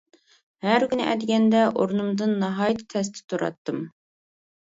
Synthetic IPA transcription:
hæɾkʲynɪʔɛ̰d̪ɪɡʲɛnd̪ɛʔoɾnumd̪ɨnːɑɦɑːjt̪ʰt̪ʰɛs̬t̪ʰɪ̥t̪ʰuɾɑ̰t̪ːɨm

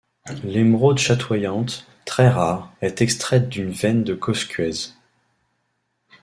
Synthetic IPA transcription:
lemʁod̪ʃat̪ʰwajɑ̃t̪ː | χɛʁaʁɛt̪ɛkst̪χɛt̪̚d̪ynvɛnd̪əkʰɔskʲɥɛz

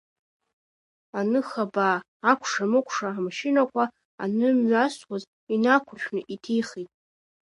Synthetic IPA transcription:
anɨχabaː | akʷʰʂamɨkʷʰʂaamʃɪnakʷʰa | a̰nɨmɥaswaz | inakʷʰʊʃʲʷᶣnɨʔitʰiχitʼ

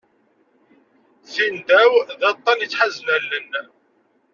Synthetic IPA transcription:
θind̪æwðæt̪ˤːɑnjət͡sːħazːlælːən

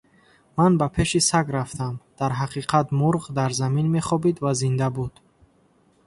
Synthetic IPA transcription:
manbapʰe̞ʃisaɡɾaft̪amd̪̥aɾɦaqʰiqʰat̪muɾʁd̪aɾzaminme̞χɔbid̪vazind̪abud̪̥

